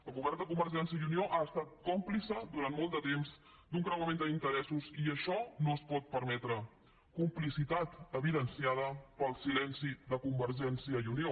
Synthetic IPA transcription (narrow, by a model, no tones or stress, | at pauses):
ləɣuβɛɾt̪əkumbərʒɛnsiəiunioʔaəst̪at̪̚komplisəd̪uɾant̪mɔlˠt̪d̪ət̪emz | d̪uŋkɾəwəmẽnd̪əint̪əɾɛsuziəʃɔnoəspɔt̪̚pəɾmɛt̪ɾə | kumplisit̪at̪əβiðənsiað̞əpəlˠsilɛnsiðəkumbərʒɛnsiəiunio